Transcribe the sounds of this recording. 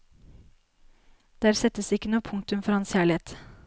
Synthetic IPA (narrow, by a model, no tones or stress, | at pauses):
d̪̥æːɾsɛt̪ːəsɪkːənuːəpʰʊŋ̚t̪ʉmfɔɾhɑnsçæːɭɪeːt̪